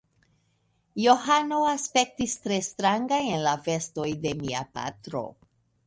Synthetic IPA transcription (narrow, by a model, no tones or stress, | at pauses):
jo̞hano̞aspe̞k̚tistɾe̞stɾaŋɡajenlafe̞sto̞jde̞miapa̰tɾo̞̰